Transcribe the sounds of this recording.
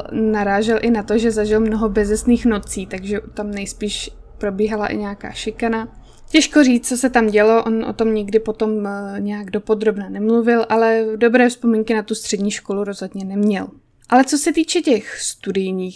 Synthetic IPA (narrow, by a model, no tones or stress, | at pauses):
naɾaːʒɛlʔɪnat̪o̞ʒɛzaʒɪlmno̞ɦobɛzɛsniːxno̞t͡siːt̪aɡʒɛt̪amnɛjspiːʃ | pɾo̞biːɦala̰ʔɪ̰ɲɛaka̰ːʃɪkana | cɛʃkoriːt͡st͡sosɛt̪amɟɛlo̞ʔonʔo̰t̪o̞mɲɪɡdɪpot̪o̞mɲɛjaɡdo̞po̞d̪ɾo̞bnanɛmluvɪlʔalɛdo̞bɾɛːfspomiŋkɪnat̪ust̪r̝̥ɛdɲiːʃko̞luɾo̞zɦo̞dɲɛnɛmɲɛl | ʔalɛt͡so̞sɛt̪iːt͡ʃɛcɛxst̪udɪjɲiːx